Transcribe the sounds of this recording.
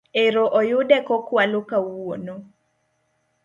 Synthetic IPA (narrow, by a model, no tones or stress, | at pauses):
eɾoʔojʊdɛkɔkwalokawwono